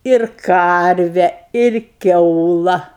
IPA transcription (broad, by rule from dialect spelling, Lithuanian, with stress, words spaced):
ɪr ˈkɐrʲʋʲɛ ɪr ˈkʲɛʊlˠɐ